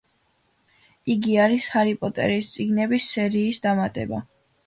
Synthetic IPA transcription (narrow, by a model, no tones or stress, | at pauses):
iɡiaɾishaɾipʼɔt̪ʼɛ̰ɾist̪sʼiɡnɛbisːɛɾiːsd̪amat̪ʼɛ̰ba̰